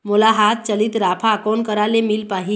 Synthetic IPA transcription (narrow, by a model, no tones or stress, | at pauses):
molaɦat̪̚t͡ʃəlit̪ɾaːpʰakɔːnkəɾalemilpaːɦi